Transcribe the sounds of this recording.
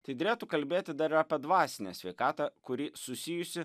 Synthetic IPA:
t̪ɐɪd̪ʲɾʲeːt̪ukɐlʲbʲeːt̪ʲɪd̪ɐɾɪɾɐːpʲɛd̪ʋɑːsʲɪnʲḛsʲʋʲɛɪkɑːt̪ɐkʊɾʲiːsʊsʲijʊsʲɪ

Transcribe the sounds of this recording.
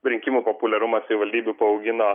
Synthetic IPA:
ɾʲɪŋʲkʲɪmupopʊlʲɛɾʊmɐsʲɪʋʲɪʋɐlʲd̪ʲiːbʲʊpɐɐʊɡʲɪno

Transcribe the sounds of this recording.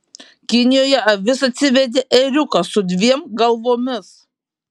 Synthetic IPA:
kʲɪnʲɪjoːjɛɐʋʲɪsɐt̪ʲsʲɪʋʲɛd̪ʲeʔɛɾʲʊkɐsʊd̪ʲʋʲiɛmɡɐlˠʋoːmʲɪs

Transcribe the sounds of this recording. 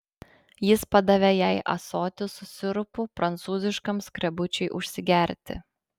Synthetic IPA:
jɪspɐd̪ɐʋʲejæɪʔɐ̰soːt̪ʲɪsʊsʲɪɾʊpʊpɾɐnt̪suːzʲɪʃkɐmskɾʲɛbʊt͡ʃʲɛɪʔʊʃʲsʲɪɡʲæˑɾʲt̪ʲɪ̰

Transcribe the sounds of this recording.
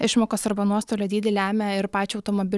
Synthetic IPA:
ɪʃmoːkoːsɐɾbɐnuɔst̪oːlʲɛːd̪ʲiːd̪ʲɛlʲæːmʲæɪɾpɑːt͡ʃʲʊɐʊt̪omobʲɪ

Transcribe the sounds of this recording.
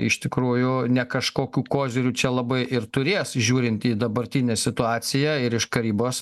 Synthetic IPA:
ɪ̰ʃt̪ʲɪkɾuːjʊnʲɛkɐʃkoːkʲuːkoːzʲɪɾʲuːt͡ʃʲɛlˠɐbɐɪʔɪrt̪ʊɾʲeːsʒʲuːɾʲɪnt̪iːd̪ɐbɐɾʲt̪ʲinʲeːsʲɪt̪ʊɑːsʲɪjɛɪɾɪʃkɐɾʲiːboːs

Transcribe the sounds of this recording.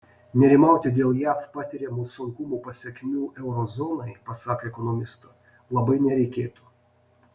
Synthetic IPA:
nʲɛɾʲɪmɑˑʊt̪ʲɪd̪ʲeːlˠjæːfpɑːt̪ʲɪɾʲɛmuːsʊŋkʊmuːpɐsʲɛkʲmʲuːʔɛʊɾɔzɔnɐɪpɐsɑːkɐɛkɔnɔmʲɪst̪o | lˠɐbɐɪnʲɛɾʲɛɪkʲeːt̪uː

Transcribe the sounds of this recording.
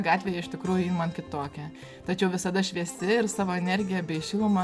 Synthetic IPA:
ɡɑːt̪ʲʋʲeːjɛɪʃʲt̪ʲɪkɾuːjʊjinmɐnkʲɪt̪oːkʲɛ | t̪ɐt͡ʃʲɛʊʋʲɪsɐd̪ɐʃʲʋʲiɛsʲɪɪrsɑːʋoːɛnʲɛɾʲɡʲɪjɛbʲɛɪʃʲɪlˠʊmɐ

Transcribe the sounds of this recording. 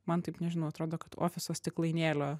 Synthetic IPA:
mɐnt̪ɐɪpnʲɛʒʲɪnɐʊɐt̪ɾoːd̪oːkɐt̪o̰ːfʲɪsoːst̪ʲɪklˠɐɪnʲeːlʲoː

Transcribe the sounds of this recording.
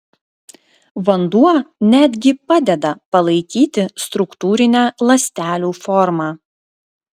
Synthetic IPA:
ʋɐnd̪uɔnʲæːd̪ʲɡʲɪpɑːd̪ʲɛd̪ɐpɐlˠɐɪkʲiːt̪ʲɪst̪ɾʊkt̪uːɾʲɪnʲæːlˠɐsʲt̪ʲæːlʲuːfɔɾmɑː

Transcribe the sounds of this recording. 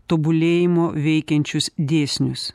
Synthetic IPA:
t̪oːbʊlʲeːjɪmoːʋʲɛɪkʲɛnʲt͡ʃʲʊsd̪ʲeːsʲnʲʊs

